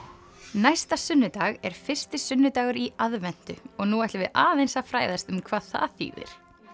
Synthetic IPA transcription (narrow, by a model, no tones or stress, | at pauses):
najst̪asʏnːʏt̪aːɣɛɾ̥fɪr̥st̪ɪsʏnːʏt̪aːɣʏɾiaðvɛn̥t̪ʏ̰ɔɣnuɛht̪lɪvɪða̰ːðejnsafɾaːjðast̪ʏmkʰvaθa̰a̰θḭːvɪ̰ɾ̥